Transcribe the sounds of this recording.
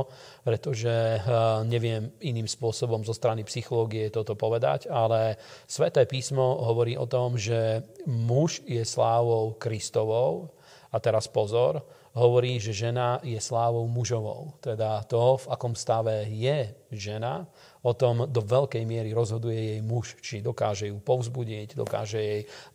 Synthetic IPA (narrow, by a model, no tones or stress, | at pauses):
pɾɛt̪ɔʒɛɲɛʋɪɛminiːmspʊɔsɔbɔmzɔst̪ɾanipsixɔlɔːɡiɛt̪ɔt̪ɔpɔʋɛd̪a̰ɟalɛsʋɛt̪ɛːpiːsmɔɦɔʋɔɾiːʔɔ̰t̪ɔmʒɛmuʒjɛslaːʋɔʊkɾist̪ɔʋɔʊ | at̪ɛɾaspɔzɔɾ | ɦɔʋɔɾiːʒɛʒɛnajɛslaːʋɔʊmuʒɔʋɔ̰ʊt̪ɛd̪at̪ɔvakɔmst̪aʋɛjɛʒɛna | ɔt̪ɔmd̪ɔʋɛʎkɛjmɪɛɾiɾɔzɦɔd̪ujɛjɛjmuʃt͡ʃid̪ɔkaːʒɛjuːpɔʊzbuɟɛcd̪ɔ̰ka̰ːʒɛjɛj